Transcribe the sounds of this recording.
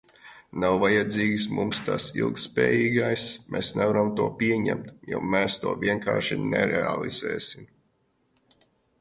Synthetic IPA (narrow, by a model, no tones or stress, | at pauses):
nawvajad̪ziːɡsmṵmst̪asḭlˠkt̪spɛ̰ːjiːɡajsmɛːsnɛvaɾamt̪uɔpʲiɛɲæ̰mt̪jo̰meːst̪uɔvʲiɛŋka̰ːɾʃinɛ̰ɾɛa̰lˠḭz̥ɛ̰ːsim